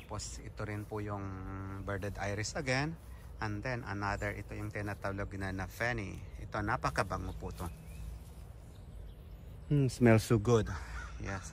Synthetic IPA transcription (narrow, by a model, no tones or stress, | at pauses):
t̪aposʔɪt̪oɾɪnpʊjʊŋbɛɹd̪ɛd̪ʔajɾɪsʔɐɡɛn | ʔɛnd̪ɛnʔɐ̰nad̪ɛɹʔɪt̪ojʊŋt̪ɪnat̪aloɡ̚nɐnɐfɛnḭʔɪt̪onapɐkɐbaŋopʊt̪o | smɛlsuɡʊd̪jɛs